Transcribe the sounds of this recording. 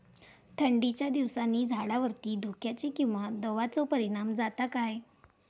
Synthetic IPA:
t̪ʰəɳɖit͡ɕjad̪iʋsanːiːd͡zʱaɽaʋəɾt̪iːd̪ʱokjat͡ɕikĩw̃ʋad̪ɔʋat͡sɔpəɾiɽ̃amd͡zat̪akaj

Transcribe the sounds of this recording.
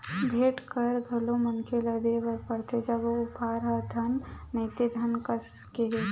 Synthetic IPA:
bʱeːʈkɐɾɡ̪ʱɐlomɐnkʰelɐd̪eʋɐɾpɐɽt̪ʰed͡ʒɐɡoʊpaːɾɦɐd̪ʱɐnː | ɐːt̪ed̪ʱɐnkɐskeɦe

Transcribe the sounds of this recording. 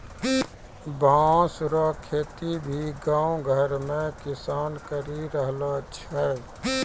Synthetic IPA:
bʱãsɾɔːkʰeːt̪ibʱiɡãːwɡʱəɾmẽkɪsaːnkəɾiɾəɦlat͡ʃʰɛ

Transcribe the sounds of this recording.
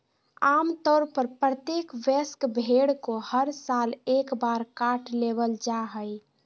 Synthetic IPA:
amt̪ɔːɾpəɾpɾət̪ekʋeskbʱeɽkohəɾsalekbaɾkaʈʰlebəld͡ʒaɦəj

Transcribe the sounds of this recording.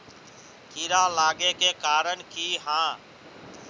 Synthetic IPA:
kʰiːɾãːlaːɡeːkeːkaːɾəɳkiːɦãː

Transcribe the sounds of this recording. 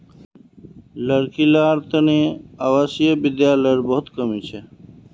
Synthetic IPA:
ləɾkilaːɾt̪ənẽːaːʋaːsijəbɪd̪jaːləɾbɔɦʊt̪kəmiːt͡ʃʰe

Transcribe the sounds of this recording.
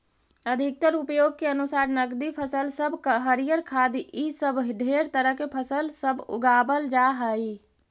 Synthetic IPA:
əd̪ʱik̚t̪əɾupjoɡ̚keənusaɾnəɡd̪ipʰəsəlsəbʱkɦəɾijəɾkʰad̪iʔisəbʱɖʱeɾt̪əɾəɦkepʰəsəlsəbʱṵɡabəld͡ʒaɦəi

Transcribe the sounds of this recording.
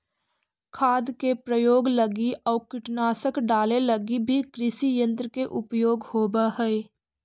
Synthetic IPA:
kʰaːd̪kepɾəjoːɡləɡiɔːɾkɪʈnaːsəkɖaːleləɡibʱikɾɪsijə̃nt̪ɾəkeʔʊpjoːɡhoːbaɦɛe

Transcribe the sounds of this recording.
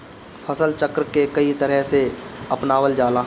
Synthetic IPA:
fʰəsəlt͡ʃəkɾkekəit̪əɾəɦseɐpnaːwəld͡ʒaːla

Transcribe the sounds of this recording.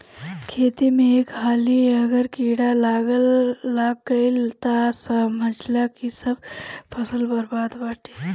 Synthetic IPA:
kʰet̪imeːkhaliəɡəɾkiɽalaɡəlːaɡːəilt̪asəməd͡ʒlakisəb̚pʰəsəlbəɾbad̪ʋaʈʰi

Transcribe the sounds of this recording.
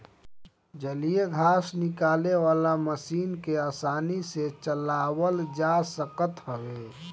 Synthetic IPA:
d͡ʒəlijeɡʱaːsnɪkaːlewaːlaməsiːnkeaːsaːniset͡ʃəlaːwəld͡ʒasəkət̪ɦɔɡeː

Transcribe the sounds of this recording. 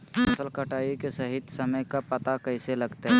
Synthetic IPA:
ɐsəlkəʈaːikesɐɦɪt̪sɐməjkapɐt̪akɐɪselɐɡt̪eɦɛ̃ː

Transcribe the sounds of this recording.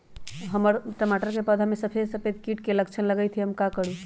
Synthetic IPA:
ɦəməɾʈəmaʈəɾkepad̪ʱɦəmesəpʰesəpʰed̪kiːʈkeləkt͡ʃʰənləɡəjt̪ʰiɦəmkakəɽ̤u

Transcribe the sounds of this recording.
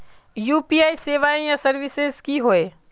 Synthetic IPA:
juːpiaːiseːʋaːẽjasɐɾʋɪsezkiɦoːeː

